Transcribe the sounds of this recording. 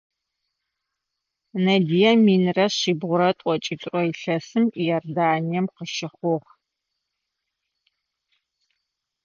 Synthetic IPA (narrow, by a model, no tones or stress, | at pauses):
nɐdijɐmiːnrɐɕiːbʁʷʊɾɐtʷʼɔt͡ʃʼitʷʼrɔiɬɐsɨmijɛrdaːnijɛmqəʃɪχʷʊʁ